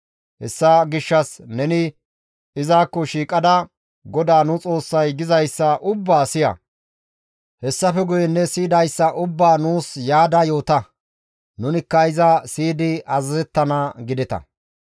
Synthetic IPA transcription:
hɛsːɐɡɪʃːɐsnɛnɪ | ɪzaːkːɔʃiːkʼɐd̪ɐ | ɡɔd̪aːnʊt͡sʼo̞ːsːɐjɡɪzɐjsːɐʔʊbːaːsɪjɐ̰ | hɛsːɐfɛɡʊjɛnːɛsiːd̪ɐjsːɐʔʊbːaːnuːsjaːd̪ɐjo̞ːt̪ɐ | nʊnɪkːɐɪzɐsiːd̪ɪʔɐzɐzɛt̪ːɐnɐɡɪd̪ɛt̪ɐ̰

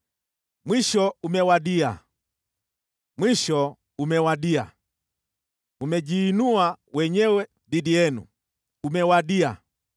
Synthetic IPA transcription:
mwiʃɔumɛwaɗia̰ | mwiʃɔ | umɛwaɗia̰ | umɛd͡ʒiːnuawɛɲɛwɛ | didiɛnṵ | umɛwaɗia̰

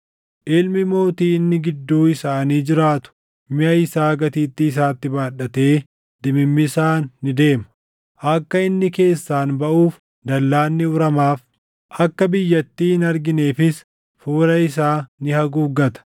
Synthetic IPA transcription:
ʔɪlmɪmo̞ːt̪iːɪnːɪɡɪd̪ːuːɪsaːniːd͡ʒɪɾaːt̪ʊ̥ | mɪʔɐɪsaːɡɐt̪iːt̪ːɪːsaːt̪ːɪbaːᶑːɐt̪e̞ː | d̪ɪmɪmːɪsaːnːɪd̪e̞ːmɐ̥ | ʔɐkːɐɪnːɪke̞ːsːaːnbɐʔuːf | d̪ɐlːaːnːɪʊɾɐmaːf | ʔɐkːɐbɪjːɐt̪ːiːhɪnɐɾɡɪne̞ːfɪs | fuːɾɐɪs̬aːnɪhɐɡuːɡɐt̪ɐ̥

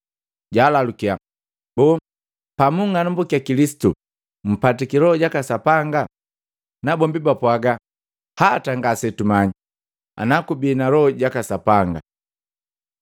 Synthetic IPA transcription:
ɟaːlalukia | bɔ | pamuŋanumbukiakilisi̥tu | m̩patikiɾɔɔɟakasapaŋɡa | nabɔmbibapwaɡa | hataŋɡasɛtumaɲi | a̰nakubiːnalɔɔɟakasapaŋɡa̰

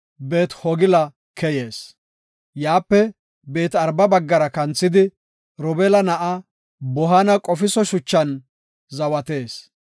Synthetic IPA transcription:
be̞ːt̪hɔɡɪlɐ | kɛje̞ːs | jaːpːɛ | be̞ːt̪ɐɾbɐbɐɡːɐɾɐkɐnt͡sːɪd̪ɪ | ɾɔbɛlɐnɐʔɐ | bɔɦɐnɐkʼɔfɪsɔʃʊt͡ʃːɐn | zɐwɐt̪e̞ːs

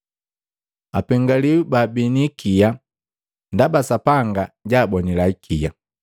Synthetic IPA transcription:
apɛŋɡaliwubabinikija | ndabasapaŋɡaɟaːbɔnilaikʰija̰

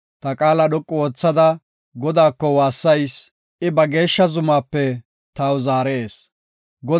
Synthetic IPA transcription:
t̪ɐkʼaːlɐɗɔkʼːɔwɔːt͡sːɐd̪ɐ | ɡɔd̪aːkːɔwaːsːɐjs | ʔɪbɐɡe̞ːʃːɐzʊmaːpːɛ | t̪ɐwzaːɾɛʔe̞ːs | ɡɔ

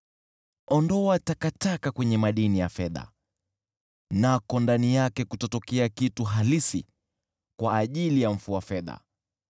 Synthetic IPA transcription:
ɔndɔatakatakakwɛɲɛmaɗinijafɛða̰ | nakɔndanijakɛkutɔtɔkɛakituɦalisi | kwaːʄilijaɱ̩fuafɛða̰

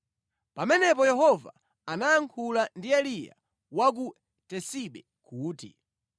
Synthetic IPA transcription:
pamɛnɛpɔjɛhɔva̰ | anajaŋkʰulandiɛlija̰ | wak̬u | tɛsiɓɛ | kuːtḭ

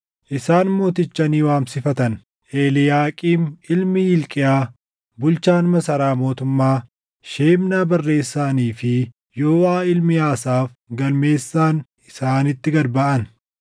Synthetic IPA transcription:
ʔɪsaːnmoːt̪ɪt͡ʃːɐniːwaːmsɪfɐt̪ɐn | ʔe̞ːlɪjaːkʼiːnɪlmɪjɪlkʼɪjaː | bʊlt͡ʃaːnmɐsɐɾaːmo̞ːt̪ʊmːaː | ʃeːmnaːbɐrːe̞ːsːaːniːfɪ | joːwaːɪlmɪjaːsaːf | ɡɐlme̞ːsːaːn | ɪsaːnɪt̪ːɪɡɐɾbɐʔɐn

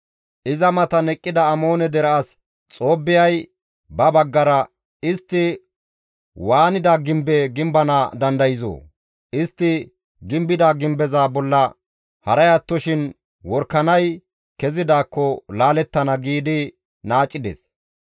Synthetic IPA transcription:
ʔɪzɐmɐt̪ɐnɛkʼːɪd̪ɐːmo̞ːnɛd̪ɛɾɐɐs | t͡sʼo̞ːbːɪjɐj | bɐbɐɡːɐɾɐ | ɪst̪ːɪ | waːnɪd̪aɡɪmbɛɡɪmbɐnad̪ɐnd̪ɐjɪzo̰ː | ʔɪst̪ːɪ | ɡɪmbɪd̪aɡɪmbɛzaːbɔlːɐ | hɐɾɐjɐt̪ːɔʃɪn | wɔɾkːɐnɐj | kɛzɪd̪aːkːɔlaːlɛt̪ːɐnɐɡiːd̪ɪ | naːt͡ʃʼːɪd̪ɛ̰s

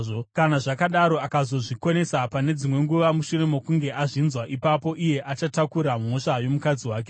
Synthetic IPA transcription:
ʐokanaʐakaɗaɾo̞akazo̞ʐiko̞ne̞sapane̞d͡zimwe̞ŋɡuʋamuʃure̞mo̞kuŋɡe̞ʔaʐinzwaʔipapo̞ʔije̞ʔat͡ʃatakuɾammo̞ʃajo̞mukad͡ziwaːk̬e

